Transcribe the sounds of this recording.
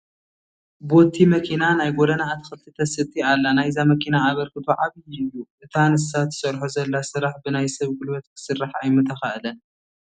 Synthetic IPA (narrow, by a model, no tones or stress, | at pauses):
bot̪ʰːimɐkʰinanajɡod̪ɐnaːt̪ʰɨ̥xɨlt̪ʰit̪ʰɐsɨt̪ʰialːanajzamɐkʰinaːβɐɾkɨt̪ʰoʕaβɨjjːuʔɨt̪ʰanɨsat̪ːɨ̥sɐɾħozɐlːasɨɾaħbɨnajsɐβɡɨlwɐt̪̚kʰɨ̥sɨrːaħajmɨt̪ʰɐxaʔɨlɐn